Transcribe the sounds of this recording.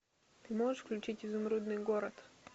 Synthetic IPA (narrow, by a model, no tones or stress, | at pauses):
t̪ɨmɔʐəʂfklʲʉt͡ʃɪtʲɪzʊmɾud̪nɨjɡɔɾɐt̪